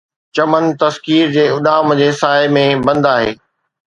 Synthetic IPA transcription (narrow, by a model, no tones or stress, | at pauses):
t͡ɕɐmənt̪ɐskiːɾd͡ʑeːʊɗ̪aːmə̃d͡ʑeːsaːemẽbɐ̃nd̪aːɦḛː